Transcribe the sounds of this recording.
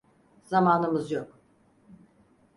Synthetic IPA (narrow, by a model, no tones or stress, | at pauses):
z̥amaːnɯmɯzjok